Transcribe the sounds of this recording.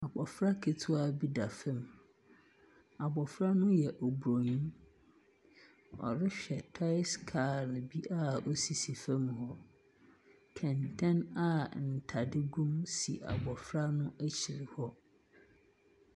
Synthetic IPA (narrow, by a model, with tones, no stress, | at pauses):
a˨bɔ˨fɾa˦kʰe˨tʰʊ˦a˦bi˦da˨fɛ̃˦˨m | a˨bɔ˨fɾa˦nʊ̃˦jɛ˨ʔɔ˨bɾo˨ɲũ˦ | ɔ̰˨ɾɪ˦ɕᶣɛ˨tʰa˦ɪ˦skʰaː˨ɾɪ˨bi˦ʔa˦ɔ˦si˨si˨fɛ̃˦mhɔ˦ | kʰɛ̃˨ntʰɛ̃˦na˦n̩˨tʰa˨dɪ˦ɡũ˦msḭ˨ʔa̰˨bɔ˨fɾa˦nʊ̃˦æ˦t͡ɕʰi˨ɾi˨hɔ˦